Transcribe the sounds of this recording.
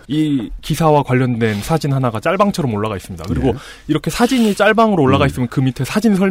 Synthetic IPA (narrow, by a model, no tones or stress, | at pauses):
ikisʰawakwaʎːʌndwe̞nsʰad͡ʑinɦanaɡat͡ɕ͈aɭbaŋt͡ɕʰʌɾʌmoɭːaɣais͈ɯmɲida̰kɯɾiɡo | iɾʌkʰe̞sʰad͡ʑiɲit͡ɕ͈aɭbaŋɯɾoːɭːaɣais͈ɯmjʌnkɯmitʰesʰad͡ʑinsʰʌɭ